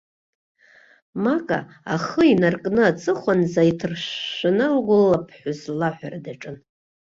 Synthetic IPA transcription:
makʼa̰ | aχəinarkʼnɨat͡sʼɨχʷanzajitʰɨrʃanɨlɡʷʊlːapʰħʷʊzlaħʷᶣaradaʈ͡ʂʼɨn

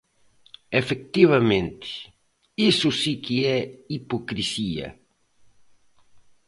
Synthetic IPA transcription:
efek̚t̪iβɐmẽnt̪ɪ̥ | isʊsikiɛipokɾisiɐ̰

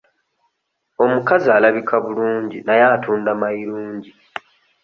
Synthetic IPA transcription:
o̞mukazialaβikʰaβuluːɲɟinajaːtuːndamaiɾuːɲɟi

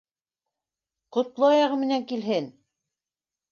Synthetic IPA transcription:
qŏt̪lˠoɑjɑʁɤmɘ̆næŋkilɦɘn

